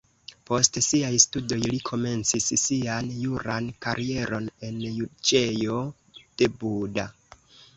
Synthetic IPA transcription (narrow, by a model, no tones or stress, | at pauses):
po̞stsiajstudo̞jlikʰo̞me̞nt͡sissianjuɾankaɾʔie̞ɾo̞ne̞njudt͡ʃe̞jo̞ | d̥e̞buda̰